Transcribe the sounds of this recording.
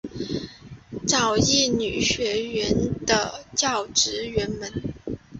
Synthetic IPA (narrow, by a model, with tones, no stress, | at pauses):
ʈ͡ʂɑ˨˩ʊjɛ˥˩ny˨˩ɕɥɛ˧˥ɥɛ˧˥nd̪ə˧t͡ɕjɑ˥˩ʊʈ͡ʂɻ̩˧˥ɥɛ˧˥nmə˧˥n